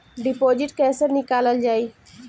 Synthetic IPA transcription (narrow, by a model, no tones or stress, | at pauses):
ɖɪpoːd͡ʒɪʈkɛːsəɾnɪkaːləld͡ʒaːiː